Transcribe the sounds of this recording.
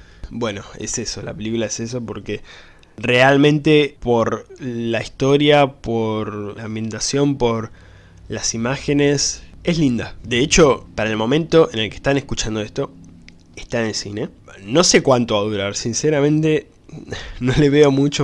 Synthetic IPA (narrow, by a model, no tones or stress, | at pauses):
bwe̞no̞ḛseso̞la̰pe̞likulaeses̬opo̞ɾke | re̞almẽ̞nt̪epo̞ɾlaist̪o̞ɾjapoɾambje̞nt̪asjo̞mpo̞ɾ | lasimaxe̞ne̞se̞slind̪ad̪e̞et͡ʃo̞paɾaelmõ̞mẽ̞nt̪o̞ʔenelkeht̪ane̞hkut͡ʃand̪o̞est̪o̞ | eht̪anelsine̞no̞se̞kwant̪oaðuɾaɾsinseɾamẽ̞nt̪e̞ | no̞leβe̞o̞mut͡ʃo